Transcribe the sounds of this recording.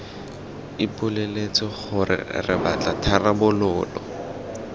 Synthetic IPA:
ipʼʊlelet͡sɪχʊrɪ̰rɪ̰bat͡ɬatʰarabʊlʊːlɔ

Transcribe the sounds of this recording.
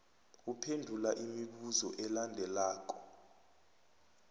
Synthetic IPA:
upʰendʱulaʔimiɓuzɔʔɛlandʱɛlaːk̬ʼɔ̥

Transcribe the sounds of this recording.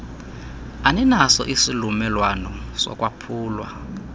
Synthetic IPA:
anɛnasɔʔisilumɛlwanɔsɔ̰kʼwapʰuːlwa

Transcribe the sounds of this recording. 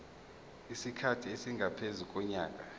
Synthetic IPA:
isikʰatʰiesiŋɡʱapʰezuk̬ʼɔɲaːkʼa

